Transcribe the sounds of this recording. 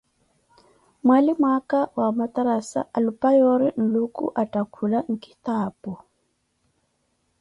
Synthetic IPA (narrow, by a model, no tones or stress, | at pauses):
mwalimakawamat̪aɾasa̰ʔalupajɔɾin̩lukṵʔatakʰulaŋ̩ki̥t̪aːbu